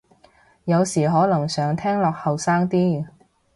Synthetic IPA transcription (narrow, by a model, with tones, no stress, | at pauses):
jɐ˨˧wsiː˨˩ɦɔː˨˥lɐ˨˩ŋsœː˨˧ŋt̪ʰɛː˥ŋlɔː˨k̚hɐ˨wsaː˥ŋt̪iː˥